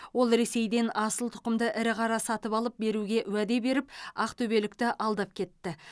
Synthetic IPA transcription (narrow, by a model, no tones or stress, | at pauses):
wo̞lˠɾe̞se̞jd̪e̞nɑsəlˠt̪ʰʊ̥qəmd̪əʔɪɾɪqʰɑɾɑsɑt̪əpɑlˠəp̚be̞ɾuɡʲe̞ʔwæd̪e̞be̞ɾɪpɑqt̪ʰɵbe̞lɪkt̪ɪʔɑlˠd̪ɑp̚kʲʰe̞t̪ːɪ